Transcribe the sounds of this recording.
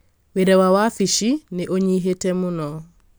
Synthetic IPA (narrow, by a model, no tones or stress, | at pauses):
weɾɛwawafiʃineʔoɲiɦetemʊnɔ